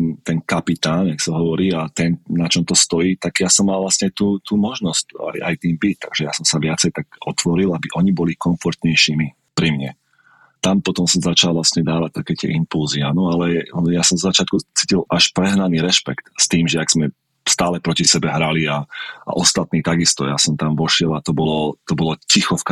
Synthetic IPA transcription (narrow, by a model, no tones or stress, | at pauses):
t̪ɛnkapit̪aːnjaksaɦɔʋɔɾiːat̪ɛnnat͡ʃɔmt̪ɔst̪ɔjiːt̪aɡ̥jasɔmːalˠʋlasɲɛat̪uːt̪uːmɔʒnɔsca̰ja̰jt̪iːmbic̚t̪aɡ̥ʒɛjasɔmsaʋɪat͡sɛjt̪aɡɔt̪ʋɔɾilˠabiʔɔɲibɔlikɔɱfɔɾt̪ɲɛjʃimi | pɾimɲɛ | t̪ampɔt̪ɔmsɔmzat͡ʃalˠʋlasɲɛd̪aːʋac̚t̪akɛːt̪ɪɛ̰ʔimpulzianɔalɛjasɔmzɔzat͡ʃɪat̪kut͡siːcilaʃpɾɛɦnaniːɾɛʃpɛ̰kt̪st̪iːmʒɛaɡz̥mɛ | st̪aːlɛpɾɔcisɛbɛɦɾaliaʔa̰ʔɔst̪at̪niːt̪aɡist̪ɔjasɔmt̪amʋɔʃɪɛlat̪ɔbɔlɔt̪ɔbɔlɔcixɔfka